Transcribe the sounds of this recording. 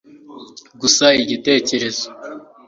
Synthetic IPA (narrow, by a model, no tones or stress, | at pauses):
ɡusaiɟite̞ːce̞ɾe̞zo